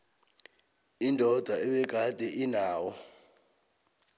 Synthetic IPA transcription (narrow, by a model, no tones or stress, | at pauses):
indʱɔd̥ʱaɛɓɛɡ̥̬ʱad̥ʱʼɛʔinaːwɔ